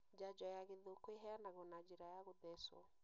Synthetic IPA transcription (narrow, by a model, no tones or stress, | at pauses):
d͡ʒad͡ʒɔjaɣeðokweɦɛanaɣɔnad͡ʒiɾajaɣodɛswɔ̰